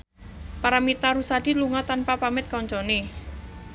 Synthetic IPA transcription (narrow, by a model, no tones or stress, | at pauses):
paɾamit̪aɾusad̪̥iluŋɔt̪anpapamɪt̪̚kɔɲt͡ʃɔne